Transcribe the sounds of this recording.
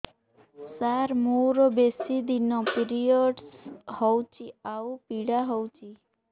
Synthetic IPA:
saɾmuɾɔbesid̪inɔpiɾijɔɖshɔwt͡ʃʰiaupiɽaɦɔwt͡ʃʰi

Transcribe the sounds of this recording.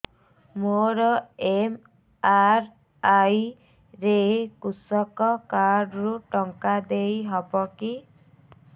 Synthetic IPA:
moɾɔem | aɾ | aj | ɾekusɔkɔkaɾɖɾuʈɔŋkad̪ejɦɔbɔki

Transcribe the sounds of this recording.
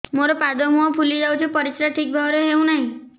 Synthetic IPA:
moɾɔpad̪ɔmũɔpʰulid͡ʒawt͡ʃʰipɔɾisɾaʈʰik̚bʱabɔɾeɦeũnaɦĩ

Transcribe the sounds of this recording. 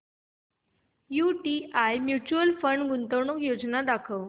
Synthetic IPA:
juʈiajmjut͡ɕuəlfəɳɖɡunt̪əʋɳokjod͡znad̪akʰəʋ

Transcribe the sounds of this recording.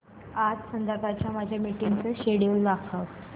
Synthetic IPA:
atsənd̪əɾbʱat͡ɕjamad͡ʑʱjamiʈiŋɡt͡səɕeɽelːakʰə

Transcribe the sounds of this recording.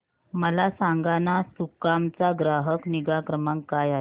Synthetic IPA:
məlasaŋɡanasukamt͡saɡɾaɦəkniɡakɾəmaŋkajaɦe

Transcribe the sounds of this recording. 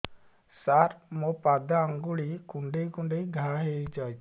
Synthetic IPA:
saɾmɔpad̪aaŋɡuɭikuɳɖejkuɳɖejɡʱaɦejd͡ʒaj

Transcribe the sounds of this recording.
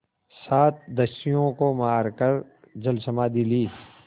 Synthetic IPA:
saːt̪̚ʰd̪ɐsijõkomaːɾkəɾ | d͡ʒəlsəmaːd̪iliː

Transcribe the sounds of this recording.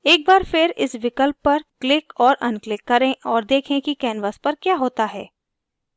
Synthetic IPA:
eːk̚baːɾfɪɾɪsʋɪkəlpːɐɾklɪkɔːɾʔɐnklɪkːɐɾẽʔɔːɾd̪eːkʰẽkikɛːnʋəspɐɾkjaːɦoːt̪aɦɛ̰ː

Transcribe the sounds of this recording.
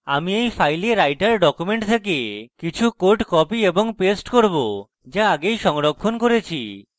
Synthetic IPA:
amiejpʰajleɾajʈaɾɖɔkumeɳʈt̪ʰek̬ekit͡ʃʰukoɾʈkɔpiebɔŋpesʈkoɾbo | d͡ʒaaɡejʃɔŋɾokʰːonkoɾet͡ɕʰi

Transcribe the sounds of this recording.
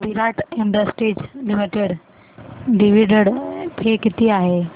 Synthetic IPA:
ʋʱiɾaːɪʈɪ̃ɳɖ̪əsʈiːd͡ʑlɪmiʈeɽ | ɖɪʋiɖəɽp̪ʰeːkɪt̪iaːɦeː

